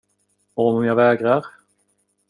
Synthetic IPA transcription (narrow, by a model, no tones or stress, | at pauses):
ɔɔmmjavɛːɡɾaɾ